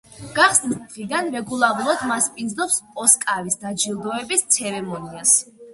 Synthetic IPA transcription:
ɡ̥aχsnisʁid̪anɾɛɡulˠaɾulˠad̪maspʼind̪znɔpsɔskʼaɾisd̪ad͡ʒilˠd̪ɔɛbist̪sʰɛɾɛmɔnias

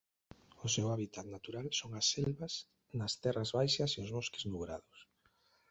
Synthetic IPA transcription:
ʊsewaβit̪at̪nat̪uɾalsoŋasːɛlβɐs | nɐst̪ɛrazβajʃɐseʊzβoɔskɪ̥znuβɾa̰ðʊs

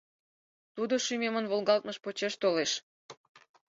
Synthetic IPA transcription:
t̪ud̪oʃymemənβolɣɑlt̪̚məʃpot͡ɕeʃt̪oleʃ

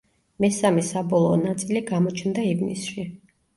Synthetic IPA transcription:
mɛsamɛsabɔlˠɔːnat̪sʼiliɡamɔt͡ʃʰnd̪aivnḭsʃi

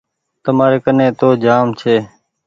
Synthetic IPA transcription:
t̪əmaːɾeːkənẽːt̪oːd͡ʒaːmt͡ʃʰeː

